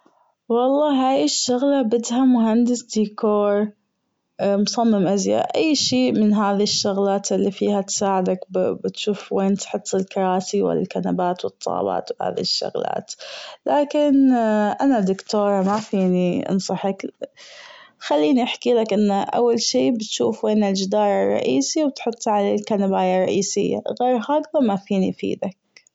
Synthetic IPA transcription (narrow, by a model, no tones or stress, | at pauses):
wɑlˤːɑːɦaːjɪʃːʊɣlabɪd̪hamʊɦand̪ɪsd̪iːkoːɾˤ | mʊsˤɑmːɪmʔazja̰ʔajːʃiːmɪnɦaːðiʃːʊɣlaːt̪ɪlːifiːhat̪saːʕɪd̪akbɪt̪ʃuːfweːnt̪ħɨt̪ˤːɪlkɑɾˤɑːsiwɪ̰lalkanabaːt̪wɨt̪ˤːɑ̰l̰ba̰ːt̪wha̰ːðḭʃːʊ̰ɣla̰ːt̪laːkɪnʔanad̪ɪkt̪oːɾˤɑmafiːniʔɑ̰nsˤɑħak | xalːiːniʔaħkiːlakʔɪnːʔa̰wːalʃiːbɪt̪ʃṵːfweːnɪld͡ʒɪd̪ɑːɾˤɑrˤːɑ̰ʔiːsiwɪt̪ħʊt̪ˤːʕalalkanabaːjɑrˤːɑʔiːsɪjːa̰ɣeːɾˤɦaːɡðamafiːnḭfḭːd̪ak̚